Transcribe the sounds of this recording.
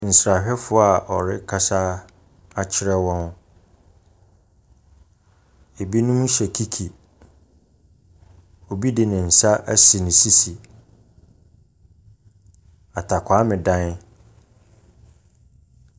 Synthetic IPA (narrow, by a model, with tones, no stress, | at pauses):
n̩˨sɾa˨ɕᶣɛ˦fʊ˦a˨ɔ̰˨ɾɪ˦kʰa˦sa˦ | a˦t͡ɕʰɪ˦ɾɛ˦wɔ̃˦n˦ | e˨bi˦nʊ̃˦mũ˦ɕɛ˨kʰi˦kʰi˨ | o˨bi˦dɪ˨nɪ̃˨n̩˨sa˦ʔæ˦si˨nɪ̃˨si˦si˨ | a˨tʰa˨kʷʰa˨˦mɪ̃˨dã˦n˦